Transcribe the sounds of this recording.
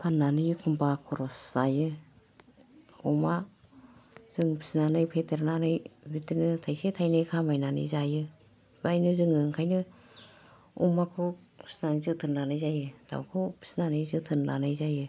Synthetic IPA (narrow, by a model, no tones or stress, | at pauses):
pʰanːanɯjɯkʰumpakʰɔɾɔszajɯ | uma | z̥ɯŋpʰi̥snanɯjpʰetʰeɾnanɯjbitinɯtʰajsetʰajnɯjkʰamajnanɯ̰jzajɯ | bajnɯzɯŋɯŋkʰajnɯ | umakʰupʰi̥snanɯjzɯtʰɯɾnnanɯjzajɯd̥a̰wkʰɯpʰi̥snanɯjzɯtʰɯnla̰nɯjzajɯ